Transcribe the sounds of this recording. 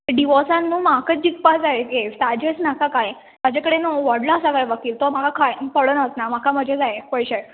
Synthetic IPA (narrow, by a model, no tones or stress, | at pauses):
ɖiʋɔsãnːuːmakət͡sd͡ʑikpad͡zajejet̪ad͡ʑesnakakaj | t̪ad͡ʑakəɽenʋɔɽlaːsakajʋəkiːlt̪ɔm̤akakʰajpəɽənəsnamakʰaməd͡ʑʱed͡zajpəjɕaj